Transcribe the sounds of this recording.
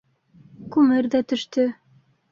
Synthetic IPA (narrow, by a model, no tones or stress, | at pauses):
kʉmɘɾðæt̪ɵ̆ʃt̪ɵ